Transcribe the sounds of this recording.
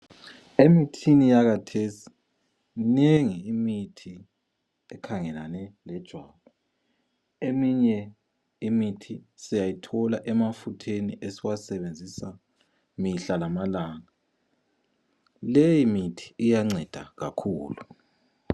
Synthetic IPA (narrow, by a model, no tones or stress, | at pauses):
emitʰinijaɣatʰesi̥ | neŋiːmitʰi | ɛkʰaŋɛlanɛlɛd̥ʒ̥ʱwaβɔ | emiɲɛ | imitʰisijajitʰɔlaʔɛmafutʰeniʔesiwasɛβend͡zʱisa | miɬalamalaŋa | lejimitʰi̥ijaŋ͡ǀʱɛd̥ʱa̰ɣa̰kʰuːlu